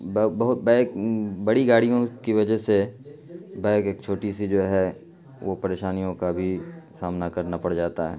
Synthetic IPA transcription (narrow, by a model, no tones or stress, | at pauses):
bbɐɦʊt̪̚bɛːkbɐɽiɡaːɽijõkiʋɐd͡ʒəɦse | bɛ̃ːkeːk̚t͡ʃʰoːʈisid͡ʒoːɦɛ | ʋopɐɾeːʃaːnijõkabʱisaːmnakɐɾnapɐɽd͡ʒaːt̪aɦɛ̰ː